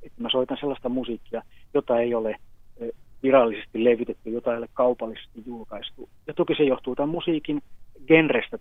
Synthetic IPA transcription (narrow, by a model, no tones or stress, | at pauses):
et̪ːæmæsoit̪ɑnselːɑst̪ɑmusiːˑkːiɑjot̪ɑeiole | ʋirɑlːisest̪illeʋit̪et̪ːyjot̪ɑeiolekkɑupɑlːise̥st̪ijjulkɑist̪ujɑt̪okisejoht̪uot̪ɑmusiːkinɡ̥enrest̪æ